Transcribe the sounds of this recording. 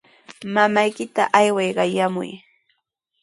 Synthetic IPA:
mamajkɪt̪aʔajwɑjɢɑjamʊ̰j

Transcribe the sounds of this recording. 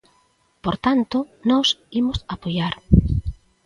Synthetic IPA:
poɾt̪ant̪onɔsimosapojaɾ

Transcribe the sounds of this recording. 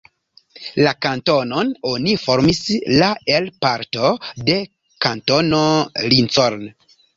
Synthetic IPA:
lakanto̞nono̞nifo̞ɾmislaelpaɾto̞de̞ | kanto̞nolint͡soɾn

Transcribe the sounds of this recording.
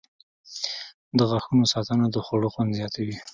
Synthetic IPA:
d̪əɣaxunosɑt̪anad̪əxaɽoxwand̪zjɑt̪ʰawi

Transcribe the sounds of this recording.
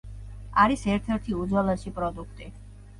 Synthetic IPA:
aɾisɛɾt̪ʰɛɾt̪ʰiud̪zwalˠaʃipʼɾɔd̪ukʰt̪ʼi

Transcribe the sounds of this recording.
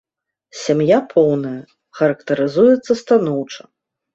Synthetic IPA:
sʲamjapʰɔwnɐjɐ | xɐɾɐkt̪ɐɾɨzujɛt̪sːɐst̪anɔwt͡ʂɐ̥

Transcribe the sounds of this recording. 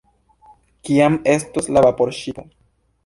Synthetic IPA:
kiame̞stoslavapo̞ɾʃio

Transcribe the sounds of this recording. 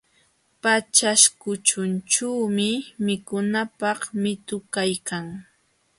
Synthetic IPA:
pat͡ʃaʃkʊt͡ʃʊnt͡ʃawmɪmɪkʊnapɑχmɪt̪ʊkajkaŋ

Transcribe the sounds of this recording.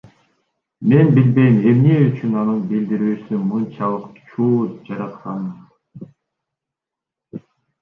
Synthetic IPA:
me̞nbilbe̞jime̞mneyt͡ʃynɑnɯnbild̪iɾyːsymɯnt͡ʃʰɑlˠɯqt͡ʃʰuːd͡ʒɑɾɑt̪qɑn

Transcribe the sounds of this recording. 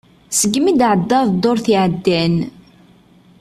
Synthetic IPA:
səɡmid̪ʕəd̪ːɑðˤd̪oɾθiʕəd̪ːæn

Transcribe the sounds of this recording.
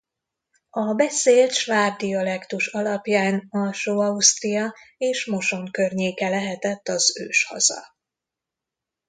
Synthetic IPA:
ɒbɛseːlt̪ʃvaːb̚d̪ijɒlɛkt̪uʃɒlɒpjaːnɒlʃoːɒust̪rijɒeːʃmo̞ʃo̞ŋkørɲeːkɛlɛɦɛt̪ɛt̪ːɒzø̰ːʃhɒ̰zɒ̰

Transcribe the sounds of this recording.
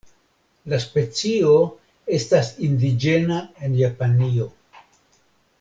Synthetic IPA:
laspe̞t͡sio̞ | e̞stasindid͡ʒe̞nae̞njapanio̞

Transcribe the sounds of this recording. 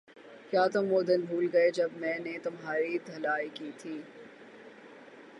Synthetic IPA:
kjaːt̪ʊmʋod̪ɪnbʱuːlɡɐed͡ʒɐbmɛ̃ːnet̪ʊmɦaːɾid̪ʱɐlaːikiːt̪ʰiː

